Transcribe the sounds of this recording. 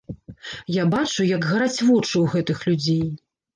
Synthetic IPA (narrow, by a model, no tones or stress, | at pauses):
jabat͡ʂujɐɡɣaɾat͡sʲvɔt͡ʂɨwɣɛt̪ɨxlʲud͡zʲej